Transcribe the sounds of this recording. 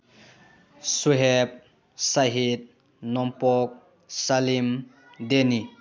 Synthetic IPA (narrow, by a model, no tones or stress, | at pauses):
suɦep̚ | saɦid̪̚ | nɔmpɔk̚ | salim | d̪eni